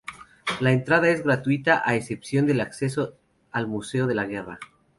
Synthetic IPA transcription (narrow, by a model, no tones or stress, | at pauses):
laent̪ɾaðae̞zɣɾat̪wit̪aʔaese̞psjo̞nd̪e̞lakse̞so̞ | almuse̞o̞ðe̞laɣ̞e̞ra̰